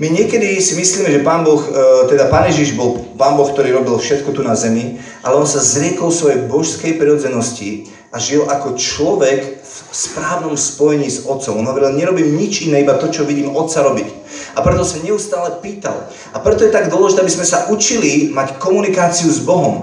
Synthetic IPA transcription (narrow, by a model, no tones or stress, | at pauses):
miɲɪɛkɛd̪isimisliːmɛʒɛpaːnbɔxt̪ɛd̪apaːnjɛʒiʒbɔlˠpaːnbɔxk̚t̪ɔɾiːɾɔbilfʃɛt̪kɔt̪unazɛmi | ʔalɛɔnsazɾɪɛkɔlfsʋɔjɛjbɔʃskɛjpɾiɾɔd͡zɛnɔsci | ʔaʒiɛlakɔt͡ʃlɔʋɛk | fspɾaːʋnɔmspɔjɛɲiːzɔt̪t͡sɔmɔnɦɔʋɛɾilɲɛɾɔbiːmɲit͡ʃinɛːibat̪ɔt͡ʃɔʋiɟiːmɔt̪t͡saɾɔbic | apɾɛt̪ɔsɔmɲɛust̪aːlɛpiːt̪a̰l | apɾɛt̪ɔjɛt̪aɡd̪ʊɔlɛʒit̪ɛabizmɛsaʔut͡ʃilimackɔmunikaːt͡siuzbɔɦɔm